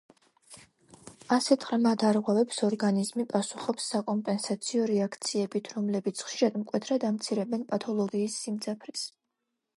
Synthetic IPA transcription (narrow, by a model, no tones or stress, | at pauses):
asɛt̪ʰʼχɾmad̪aɾʁwɛvɛpsɔɾɡanizmipʼasuχɔpsːakʼɔmpʼɛnsat̪sʰiɔɾɛakʰt̪sʰiɛbit̪ʰɾɔmlɛbit̪sʰχʃiɾad̪mkʼwɛt̪ʰɾad̪amt̪sʰiɾɛbɛnpʼat̪ʰɔlˠɔɡiːsːimd̪zʰʼapʰɾis